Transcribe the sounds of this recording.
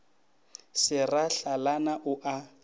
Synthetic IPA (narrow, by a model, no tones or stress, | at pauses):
sɪraɬalanaʔʊʔa